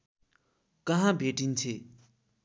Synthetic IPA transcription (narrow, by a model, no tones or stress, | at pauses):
kʌɦãbʱeʈint͡sʰe